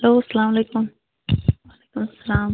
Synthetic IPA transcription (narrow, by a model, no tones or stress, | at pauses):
loːɐsɐlaːmleːkʊm | waːleːkʊmɐsɐlaːm